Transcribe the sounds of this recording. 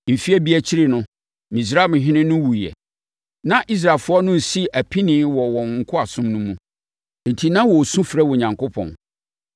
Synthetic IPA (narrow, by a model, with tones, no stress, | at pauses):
m̩˨fi˦æ˦bi˦æ˨t͡ɕʰi˦ɾɪ˨nʊ̃˦ | mĩ˨s̬ɾa˦˨m̃˨ɦɪ̃˦nɪ̃˦nʊ̃˦wu˨jɛ̰˨ | nã˦ʔi˦s̬ɾa˨lfʊ˦ɔ˦nʊ̃˦˨si˦ʔæ˨pʰi˦nɪ̃ː˨˦wɔ˨wɔ̃˨ŋ̩˨kʰʊ˦a˨sʊ̃˦mnʊ̃˦mũ˦ | n̩˨tʰi˨nã˦wɔ˨sũ˦fɾɛ˦wɔ˨ɲã˨ŋko˦pʰɔ̰̃˨n